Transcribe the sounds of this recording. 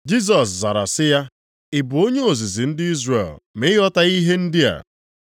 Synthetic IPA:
d͡ʒi˦s̬ɔ˨s̬za˨ɾa̰˨sɪ˦ja˦ | ɪ˨bʊ˨o˦ɲe˦o˨zi˨zi˨n̩˦dɪ˦i˦zrḛ˨lme˦ɔ˦ta˦i˦ɦe˦n̩˦dɪ˦a̰˨

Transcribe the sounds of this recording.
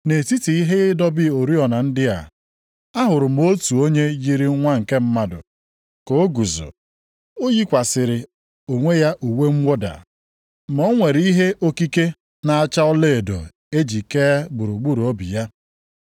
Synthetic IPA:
ne˨ti˦ti˨i˦ɦe˦ɪ˦dɔ˦bɪ˦o˨ɾi˦ɔ˨na˨n̩˦dɪ˦a̰˨ | a˦ɦʊ˨ɾʊ˨m̩˦o˦tu˨o˦ɲe˦ji˦ɾi˦ŋʷa˦ŋ̩˨ke˦m̩˦ma˦dʊ̰˨ | ko˨˦o˦ɡu˨zʊ̰˨ | o˦ji˦kʷa˨sɪ˨ɾɪ˨ | o˨ŋʷe˦ja˦ʔu˨we˦ŋ͡m̩˦wʷo˦da̰˨ | m̩˨ɔ˦ŋʷe˨ɾi˦ɦe˦ʔo˦ki˦ke˦ | na˨a˦t͡ʃa˦ʊ˦le˦e˨do̰˨ | e˦d͡ʒi˨ke˦ɡ͡bu˨ɾu˨ɡ͡bu˦ɾu˨o˦bi˨ja˦

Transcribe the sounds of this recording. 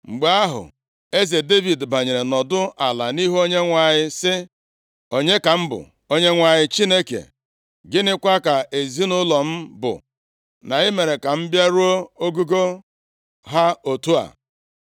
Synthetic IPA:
ŋ͡m̩˨ɡ͡ba˦ɦʊ̰˨ | e˦ze˨de˦vi˨dba˨ɲe˨ɾe˨nɔ˨dʊ˦a˨la̰˨ni˦ɦo˦ɲe˦ŋʷa˨ɲɪ˦sɪ˦ | o˨ɲe˦ka˨m̩˦bʊ̰˨ | o˦ɲe˦ŋʷa˨ɲɪ˦t͡ʃi˦ne˦kḛ˨ | ɡɪ˦nɪ˦kʷa˦ka˨ʔe˨zi˦nʊ˦lɔ˨m̩˦bʊ̰˨ | na˨ɪ˦me˨ɾe˨ka˨m̩˦bja˦ɾu˦o˦o˦ɡu˦ɡo˦ | ɦa˦o˨tu˦a̰˨

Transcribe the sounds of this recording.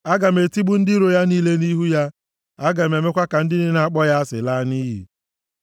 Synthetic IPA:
a˦ɡa˨m̩e˨ti˦ɡ͡bu˦n̩˦dɪ˦ɾo˨ja˦niː˦le˦ni˦ɦu˦ja˦ | a˦ɡa˨m˨e˨me˦kʷa˦ka˨n̩˦dɪ˦ne˦na˦a˦k͡pɔ˦ja˦a˦sɪ̰˨la˦ni˦ɦḭ˨

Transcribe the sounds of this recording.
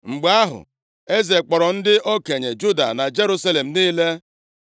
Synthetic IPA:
ŋ͡m̩˨ɡ͡ba˦ɦʊ̰˨ | e˦ze˨k͡pɔ˨ɾɔ˨n̩˦dɪ˦ʔo˦ke˨ɲe˨d͡ʒu˦da̰˨na˨d͡ʒe˦ɾu˦sa˦le˨m̩˨niː˦le˦

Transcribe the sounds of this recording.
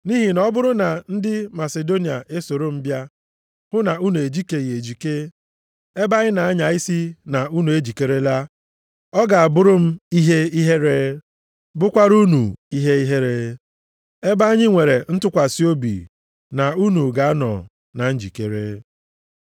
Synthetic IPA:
ni˦ɦi˨nɔ˦bʊ˦ɾʊ˦na˨n̩˦dɪ˦ma˨se˨do˦ni˨a˨ʔe˦so˨ɾo˦m̩˦bja˦ | hʊ˦na˨u˦nu˨e˨d͡ʒi˦ke˨ɣe˨d͡ʒi˨ke˦ | e˦ba˦ɣɪ˦na˨a˦ɲa˨i˦si˦na˨u˦nu˨e˦d͡ʒi˨ke˦ɾe˦la˦ | ɔ˦ɡa˨a˨bʊ˦ɾʊ˦m̩˦i˦ɦe˦i˦ɦe˦ɾe˦ | bʊ˦kʷa˦ɾu˦nṵ˨i˦ɦe˦i˦ɦe˦ɾe˦ | e˦ba˦a˦ɲɪ˦ŋʷe˨ɾe˨n̩˦tʊ˦kʷa˨si˦o˦bḭ˨ | na˨u˦nu˨ɡa˨a˦nɔ̰˨ | na˨n̩˦d͡ʒḭ˨kḛ˨ɾḛ˦

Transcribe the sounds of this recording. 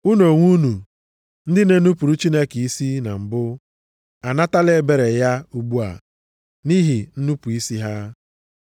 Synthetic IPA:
u˦no˨ŋʷu˦nu˨ | n̩˦dɪ˦ne˦nu˦pu˨ɾu˦t͡ʃi˦ne˦ki˨i˦si˦na˨m̩˨bʊ˦ | a˨na˦ta˦le˦˨be˨ɾe˨ja˦u˦ɡ͡bu˦a̰˨ | ni˦ɦi˨n̩˦nu˦pu˨i˦si˦ɦa˦

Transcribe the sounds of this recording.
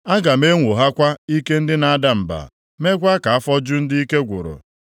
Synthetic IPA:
a˦ɡa˨me˦ŋʷo˨ɦa˦kʷa˦i˦ke˦n̩˦dɪ˦na˨a˦˨da˦m̩˨ba̰˨ | me˦ɡʷa˦ka˨a˦fɔ˦d͡ʒʊ˦n̩˦dɪ˦i˦ke˦ɡʷʊ̰˨ɾʊ̰˨

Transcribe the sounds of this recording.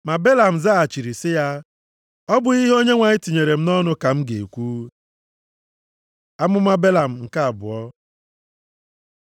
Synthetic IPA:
ma˨be˦la˨m̩˨za˦a˨t͡ʃi˨ɾi˨sɪ˦ja˦ | ɔ˦bʊ˨i˦ɦo˦ɲe˦ŋʷa˨ɲɪ˦ti˨ɲe˨ɾe˨m̩˦nɔ˦nʊ˦ka˨m̩˦ɡe˨kʷuː˦ | a˦mʊ˦ma˦be˦la˨m̩˨ŋ̩˨ka˦a˨bʊ̰˨ɔ˦

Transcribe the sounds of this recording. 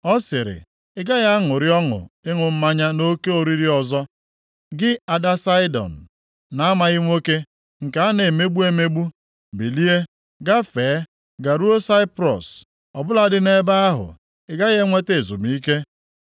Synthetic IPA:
ɔ˦sɪ˨ɾɪ̰˨ | ɪ˦ɡa˦ɣa˦a˦ŋʊ˨ɾɪ˦ɔ˦ŋʊ̰˨ɪ˦ŋʊ˨m̩˦ma˦ɲa˦no˦ke˦o˨ɾi˦ɾi˦ɔ˨zɔ˦ | ɡɪ˦a˨da˦sa˦ɪ˦dɔ̰˨n̩˨ | na˨a˦ma˨ɣɪ˦ŋʷo˦ke˦ | ŋ̩˨ka˨a˦ne˨me˦ɡ͡bu˦e˦me˦ɡ͡bu˦ | bi˨li˦e˦ | ɡa˦feː˨˦ | ɡa˨ɾu˦o˦sa˦ɪ˦pɾɔ̰˨s | ɔ˨bʊ˦la˦dɪ˦ne˦ba˦a˦ɦʊ̰˨ | ɪ˦ɡa˦ɣe˦ŋʷe˦te˨zṵ˨b̩˨i˦ke˦

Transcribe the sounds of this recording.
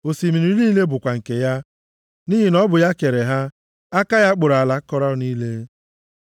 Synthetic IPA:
o˨si˨mi˨ɾi˨i˦i˦le˦bʊ˨kʷa˨ŋ̩˨ke˨ja˦ | ni˦ɦi˨nɔ˦bʊ˨ja˦ke˨ɾe˨ɦa˦ | a˦ka˦ja˦k͡pʊ˨ɾa˨la˦kɔ˦ɾa˦ni˦le˦

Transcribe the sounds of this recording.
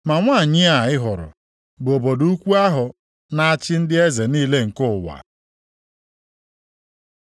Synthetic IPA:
ma˨ŋʷa˦˨ɲɪ˦a˨ɪ˦ɦʊ˨ɾʊ̰˨ | bʊ˨o˨bo˨du˦kʷu˦a˦ɦʊ˨ | na˦a˦t͡ʃɪ˦n̩˦dɪ˦e˦ze˨niː˦le˦ŋ̩˨kʊ˦˨wa̰˨

